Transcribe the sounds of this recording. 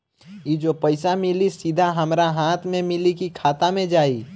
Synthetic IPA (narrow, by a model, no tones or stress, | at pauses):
jid͡ʒopəɪsamɪlisid̪ʱaɦɐmɾaɦaːt̪ʰmẽmɪlikikʰaːt̪amẽd͡ʒaːi